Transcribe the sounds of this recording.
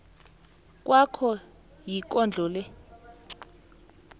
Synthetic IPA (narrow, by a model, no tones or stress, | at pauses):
k̬ʼwʔakʰɔ | jik̬ʼɔnd͡ɮʱɔːlɛ